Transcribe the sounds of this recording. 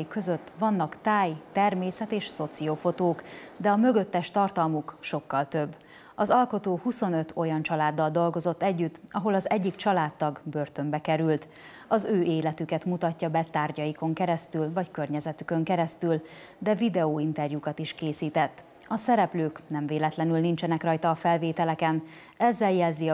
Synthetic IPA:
ikːø̞zøt̪ːʋɒnːɒkt̪aːjt̪ɛrmeːsɛt̪eːʃso̞t̪siofo̞t̪oːkd̪ɛɒmø̞ɡøt̪ːɛʃt̪ɒrt̪ɒlmukʃo̞kːɒlt̪øbː | ɒzɒlko̞t̪oːhuso̞nøt̪o̞jɒnt͡ʃɒlaːd̪ːɒld̪o̞lɡo̞zo̞t̪ːɛɟːyt̪ːɒɦo̞lɒzɛɟːikt͡ʃɒlaːt̪ːɒɡbø̞rt̪ø̞mbɛkɛɾylt̪ | ɒzøːʔeːlɛt̪ykɛt̪mut̪ɒcːɒbɛt̪aːrɟɒjiko̞ŋkɛɾɛst̪ylvɒckø̞rɲɛzɛt̪ykø̞ŋkɛɾɛst̪yl | d̪ɛvid̪ɛoːint̪ɛrjukɒt̪iʃkeːsiːt̪ɛt̪ː | ɒsɛɾɛpløːknɛɱveːlɛt̪lɛnylnint͡ʃɛnɛkrɒjt̪ɒːfɛlveːt̪ɛlɛkɛn | ɛzːɛljɛlzi

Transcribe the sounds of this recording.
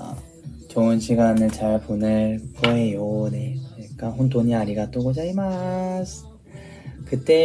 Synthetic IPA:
t͡ɕoɯnɕiɡanɯɭt͡ɕaɭponɯɭkoejoneik͈aɦont̬oɲiaɾiɡat͈oɡod͡ʑaimas | kɯt͈e̞

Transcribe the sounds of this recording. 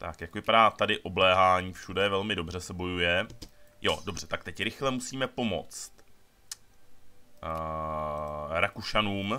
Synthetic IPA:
t̪a̰kjakvɪpadaːt̪adɪʔo̞blɛːɦaːɲiːfʃudɛvɛlmɪdo̞br̝ɛsɛbo̞jujɛjo̞do̞br̝ɛt̪ak̚t̪ɛcɾɪxlɛmusiːmɛpo̞mo̞̰t͡st̪ | ɾakuʃanuːm

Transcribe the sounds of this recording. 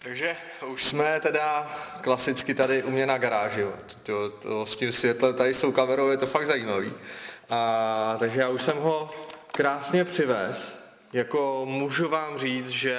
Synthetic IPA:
t̪aɡʒɛ | uʃsmɛt̪ɛdaklasɪt͡skɪt̪adɪʔumɲɛnaɡaɾaːʒɪjot̪t̪ot̪oscɪmsvjɛt̪lɛmt̪adɪst̪owkavɛɾowjɛt̪o̞faɡ̚d̪zajiːmavḭːʔat̪aɡʒɛjaːuʃsɛmɦo̞kɾaːsɲɛpr̝̥ɪvɛːs | jakomuʒuvaːmriːt͡sʒɛ

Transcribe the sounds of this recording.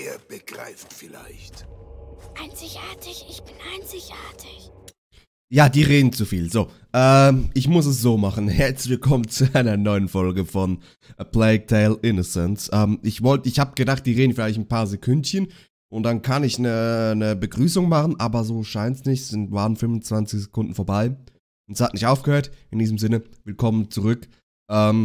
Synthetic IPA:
eːɐb̥əɡ̥ʁa̰ɪftfɪla̰ɪçt | ʔaɪnt͡sɪçʔaːɐtʰɪçɪçb̥ɪnʔaɪnt͡sɪçʔaːɐtʰɪç | jaːdiːʁeːdn̩t͡sufiːlzoː | ʔɛːmʔɪçmʊs̬ɛs̬z̥oːmaχn̩hɛɐt͡sv̥ɪlkʰɔmənt͡suaɪnɐnɔʏənfɔlɡəfɔn | plɛɪtʰeɪlʔɪnɔsɛnsʔɛːmʔɪçvɔltəɪçhaːbəɡ̥ədaχt̚d̥iːʁeːdn̩fɪlaɪçtn̩paːɐzekʰʊntçən | ʔʊnt̚d̥ankʰanɪçnənəbəɡʁyːsʊŋmaχən̩ʔaːbɐzoːʃaɪntsnɪçtsz̥ɪntvaːʁənfʏnvʊnt͡sv̥ant͡sɪçz̥ekʰʊndn̩foɐbaɪ | ʔʊntə̥shatnɪçtʔaʊfɡ̥əhøːɐtɪndiːzəmzɪnəvɪlkʰɔmənt͡suʁʏk | ʔɛːm

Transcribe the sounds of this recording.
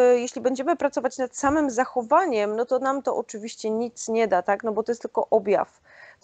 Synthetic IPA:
jeɕlʲibɛɲd͡ʑɛmɘpɾat̪sɔvat͡ɕnat̪samɘmzaxɔvaɲɛmnɔt̪ɔnamt̪ɔʔɔt͡ʂɘvʲiɕt͡ɕɛɲit̪sɲɛd̪at̪aknɔbɔt̪ɔjɛst̪ɘlkɔ̰ʔɔbʲja̰f

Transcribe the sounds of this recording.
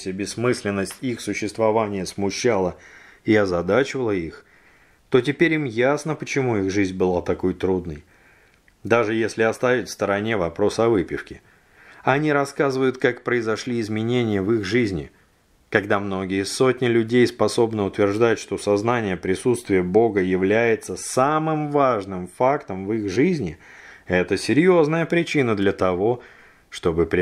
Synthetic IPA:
sʲəbʲɪsːmɨsʲlʲɪnːəsʲtʲixsʊɕːɪst̪vɐvanʲɪjəsmʊɕːalˠə | ɪɐzɐd̪at͡ɕɪvəlˠəix | t̪o̞t̬ʲɪpʲeɾʲimjasnəpət͡ɕɪmuixʐɨzʲnʲbɨlˠat̪ɐko̞jt̪ɾud̪nəj | d̪aʐɨjesʲlʲɪɐst̪avʲɪtʲfst̪əɾɐnʲe̞vɐpɾo̞sɐvɨpʲɪfkʲɪ | ɐnʲiɾɐskazɨvəjʊt̪̚kakpɾəɪzɐʂlʲiɪzmʲɪnʲenʲɪjəvixʐɨzʲnʲɪ̰ | kɐɡd̪amno̞ɡʲɪjso̞tʲnʲɪlʲʉdʲejspɐso̞bnəʊt̪vʲɪrʐd̪atʲʂt̪o̞sɐznanʲɪjəpɾʲɪsut̪st̪vʲɪjəbo̞ɡəjɪvlʲæjɪt̪səsamɨmvaʐnɨmfakt̪əmvɨxʐɨzʲnʲɪɛt̪əsʲɪɾʲjo̞znəjəpɾʲɪt͡ɕinəd̪lʲət̪ɐvo̞ | ʂt̪o̞bɨpʲ

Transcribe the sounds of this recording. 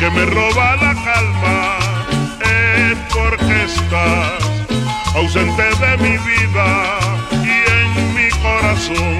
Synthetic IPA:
kemeroβaðakalma | epoɾkest̪a | aws̬ent̪eðemiβiða | ieŋmikoɾasoŋ

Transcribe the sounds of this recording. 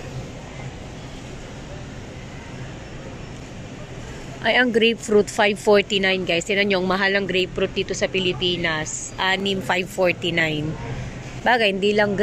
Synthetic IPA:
ʔɐjɐŋɡɾejpfɾut̪fajvfoɹt̪inajnɡajsɪnɐɲoŋmɐɦalɐŋɡɾejpfɾut̪̚d̪iːt̪o̞sɐpɪlɪpiːnɐsʔanɪmfajvfoɹt̪inajn | baːɡɐhɪnd̪iːlɐŋɡ

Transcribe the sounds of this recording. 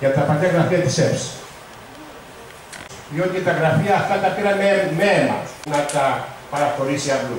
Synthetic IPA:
jɐt̪ɐpɐlɐɣɾɐfiɐt̪i̥sefs | ðjot̪et̪ɐɣɾɐfiɐːft̪ɐt̪ɐpiɾɐmemenɐ̰nɐt̪ɐpɐɾɐxo̞ɾisiɐplu

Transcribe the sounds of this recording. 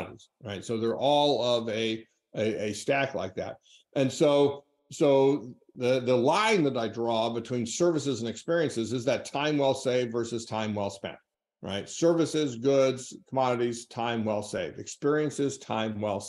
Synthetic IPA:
nz̥ɹaɪtsoʊðə˞ʔɔlˠʌvɨ | ɨɨstækʰla̰ɪk̚ðæ̰t̚ | ʔɨ̃nsoʊ | soʊ | ðɨðəlãɪ̃nðɨɾaɪdɹɔbɨtʰw̥ĩnsɜ˞vɨsɨzɨ̃nɨkspɪɹiɨ̃nsɨzɨzðɨtʰãɪ̃mwɛlˠseɪvdvɜ˞sɨz̥tʰãɪ̃mwɛlˠspɛ̰̃nt̚ | ɹʔa̰ɪtsɜ˞vɨsɪzɡʊdz̥kʰəmɑɾɨɾiz̥tʰãɪ̃mwɛlˠseɪvdɨkspɪɹiɨ̃nsɨz̥tʰã̰ɪ̃mwɛlˠs

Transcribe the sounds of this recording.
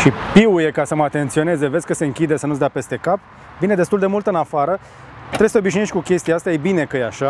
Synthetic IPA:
ʃipiuje̞kasəməat̪e̞nt̪sio̞ne̞zevesʲkəse̞ɨŋkʲid̪e̞sənuzd̪ape̞st̪e̞kap̚ | vine̞d̪est̪uld̪e̞mult̪ɨnafaɾə | t̪ɾesət̪eobiʃneʃt̪ʲkukʲe̞st̪iaast̪ajebine̞kəjeaʃa

